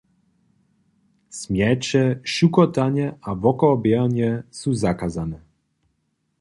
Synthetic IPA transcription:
smjɛt͡ʃɛʃukɔt̪aɲɛʔavɔkɔːbjɛnjɛsuzakazanɛ

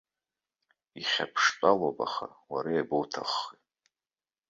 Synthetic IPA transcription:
iχʲa̰pʰʂt͡sʼalopʼaχa̰waɾajabowtʰaχːi

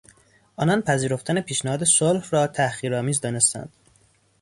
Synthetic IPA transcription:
ʔɒːnɒːnpʰæziːɾoft̪ʰæne̞pʰiːʃnæhɒːd̪e̞solhrɒːt̪ʰæhχiːɾɒːmiːzd̪ɒːnest̪æ̰nd̪̥

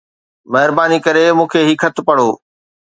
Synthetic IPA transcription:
mɐɦɪɾbaːnikɐɾemũːkʰeɦɪkʰɐt̪ʰpɐɽoː

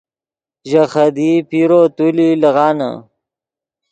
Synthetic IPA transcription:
ʒaxɐd̪ipiɾot̪ulilɐɣɑːna̰

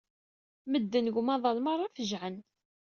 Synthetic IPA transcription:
məd̪ːənɡʷmɑðˤɑlmɑrˤːɑfəʒʕən

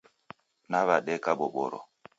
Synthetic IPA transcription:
naβaɗɛkaɓɔɓɔ̰ɾɔ̰

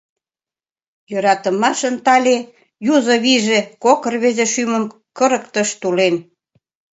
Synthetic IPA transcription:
jø̆ɾɑt̪ə̆mɑʃə̆nt̪ɑlʲe | juzŏβiʒekokə̆rβezeʃymə̆m | kə̆ɾə̆kt̪əʃt̪ulen

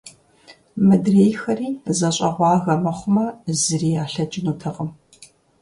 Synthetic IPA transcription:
mɨdreːjxɐriːzɐɕʼɐʁʷɑːɣɐmɐχʷʊmɐzɨriːjaːɬɐd͡ʒʼɪnuːtʰɐʁəm

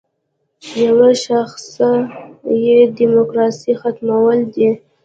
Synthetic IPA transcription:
jawaʃaxsajedimokɾɑsixat̪mawəld̪i

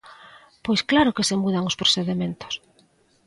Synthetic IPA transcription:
pojsklaɾʊkesemuðaŋospɾosθeðemẽnt̪o̥s

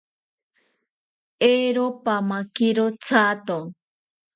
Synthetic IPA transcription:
eɾopamakiɾot͡sʰat̪o

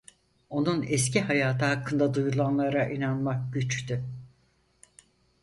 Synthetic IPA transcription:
o̞nunɛscʰiɦajaːt̪ʰɯhakʰːɯnd̪ad̪ujulˠanlˠaɾaʔinanmakɟyt͡ʃt̪y

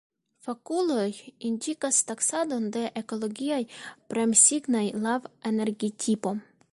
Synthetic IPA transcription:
fakulo̞jindikastaksado̞nde̞ʔeko̞lo̞ɡiajpɾe̞msiɡnajlavene̞ɾɡitʰipo̞

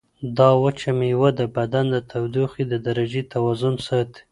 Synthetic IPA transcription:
d̪ɑwət͡ʃamiwəd̪əbad̪and̪ət̪ʰawd̪uxid̪əd̪aɾad͡ʒet̪ʰawɑzʊmsət̪

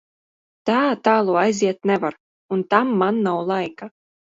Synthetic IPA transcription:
t̪aːt̪aːlˠuːajziɛt̪nɛvaɾ | unt̪amːanːawlˠajka

